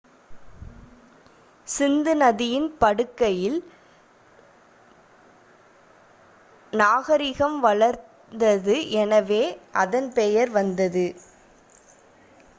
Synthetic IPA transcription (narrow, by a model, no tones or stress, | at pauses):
sɪnd̪ɯnɐðɪjɪnpɐɽɯkːɐjɪl | naːɣɐɾɪɣɐmʋɐɭɐɾ | d̪ɐðɯʔɛnɐʋeːʔɐðɐnpɛjɐɾʋɐnd̪ɐðɯ